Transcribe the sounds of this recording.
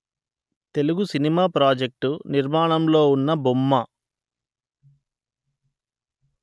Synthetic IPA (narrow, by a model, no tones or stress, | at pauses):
t̪e̞luɡusinimaːpɾaːd͡ʒek̚ʈuniɾmaːɳɐmlo̞ːunːɐbumːɐ